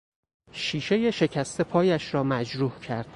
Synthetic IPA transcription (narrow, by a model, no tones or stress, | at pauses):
ʃiːʃe̞je̞ʃe̞cʰæst̪ʰe̞pʰɒːjæʃɾɒːmæd͡ʒɾuːhcʰæɾd̪̥